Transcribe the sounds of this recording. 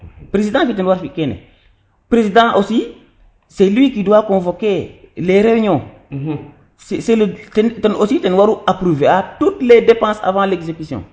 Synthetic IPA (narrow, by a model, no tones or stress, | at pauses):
pɾezidãfitɛnwaɾfikɛnɛ̰ | pɾezidãʔosi | sɛlwikiduwakõːvokeleɾeyɲɔ̃ː | ssɛltɛntɛnositɛnwaɾuapɾuveatutledepãːsa̰vãːlekzekysjɔ̰̃ː